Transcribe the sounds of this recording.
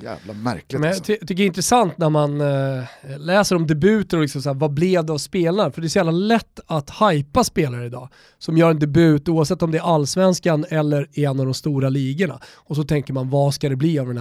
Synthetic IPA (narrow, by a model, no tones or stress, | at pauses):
jæ̰ːvlamæ̰ɾklɪmɛnjtʰt̪ʰʏk̬ːəɾɪnt̪ɾɛsant̪næɾman | lɛːsəɾɔmd̪ɛbʉ̟ːt̪əɾɔlɪksɔmsaæːɾvablɛvd̪ɛavspeːlaɾfœɖɛɾs̬ɔjæːvlalɛt̪ːat̪hajpaspeːlaɾəɪd̪ɑ̰ː | sɔmjœːɾɛnd̪ɛbʉ̟ːt̪uːavsɛt̪ːɔmd̪ɛæɾalːsvɛnskanɛlːəɾɛɛnːavd̪ɔmst̪uːɾaliːɡəɳa̰ | ɔs̬ɔt̪ʰɛŋkəɾmanvaskad̪ɛbliːavd̪ɛn